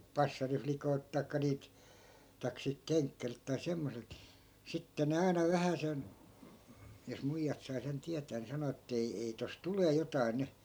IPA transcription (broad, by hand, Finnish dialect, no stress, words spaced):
pɑsːɑriflikoi̯lt tɑikːɑ niːlt tɑik silt keŋkːærilt tɑi semːoselt sitːe ne ɑinɑ ʋæhæsen jos muijːɑt sɑi sen tiætæː ni sɑno etː ei ei tos tuleː jotɑi̯ ny